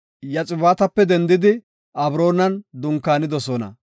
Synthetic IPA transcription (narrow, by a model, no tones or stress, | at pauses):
jɐt͡sʼɪbaːt̪ɐpːɛd̪ɛnd̪ɪd̪ɪ | ʔɐbɾo̞ːnɐnd̪ʊŋkːaːnɪd̪ɔsɔnɐ̰